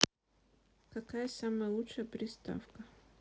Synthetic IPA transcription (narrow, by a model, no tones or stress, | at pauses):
kɐkajəsaməjəlˠutʂəjəpɾʲɪst̪a̰fkə